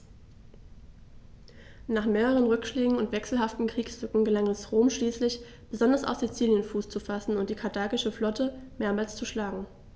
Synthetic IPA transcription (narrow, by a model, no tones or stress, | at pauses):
naːχmeːʁəʁ̞ənʁʏkʃleːɡŋ̩ʊntv̥ɛksl̩ɦaftn̩kʁ̥iːkshʏkŋ̩ɡəlaŋɛsʁoːmʃliːslɪç | b̥əzɔndɐsaʊfz̥it͡siːljənfuːst͡sufasn̩ʊnt̚d̥iːkʰaɐtʰaːkɪʃəflɔtəmeːɐmaːlst͡suʃlaːɡŋ̩